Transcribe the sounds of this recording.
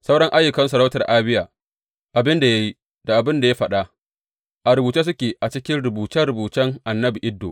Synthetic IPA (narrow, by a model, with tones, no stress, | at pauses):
sɐ˦wɽɐ˦ŋʔa˦jːʊ˨kɐ˦nsɐ˨ɾa˦wtɐ˨rʔaː˦bɪ˦jaː˨ | ʔa˨bɪ˦nda˨ja˦ji˦ | d̥a˨ʔa˨bɪ˦nda˨ja˦ɸɐ˨ɗa˦ | ʔa˨ɾʊ˨buː˨t͡ʃeː˦s̬ʊ˦kʲeː˨ʔa˨t͡ʃɪ˦kʲɪ˦nɽʊ˨buː˨t͡ʃɛ˦ɽʊ˨buː˨t͡ʃɛ˦ŋʔa˨nːɐ˦bi˨ʔɪ˦dːo̰˨